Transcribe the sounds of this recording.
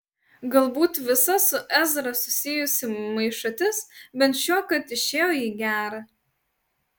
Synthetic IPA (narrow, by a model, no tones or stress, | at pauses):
ɡɐlˠbuːt̪ʋʲɪsɐsʊʔɛzɾɐsʊsʲɪjʊsʲɪmɐɪʃɐt̪ʲɪsbʲɛnt̪ʃʲoːkɐt̪ɪʃʲeːjoːiːɡʲæːɾɐ